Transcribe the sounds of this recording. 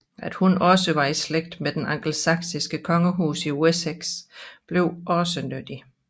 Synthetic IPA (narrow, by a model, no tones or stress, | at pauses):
æd̥hunɒ̽səʋɑ̈isleɡ̥̚d̥med̥enɑŋɡ̥l̩sɑ̈ɡ̥sisɡ̥əkʰɒ̽ŋəɦṵːsiueseɡ̥sb̥le̝ʊ̰ʔɒ̽sənød̥i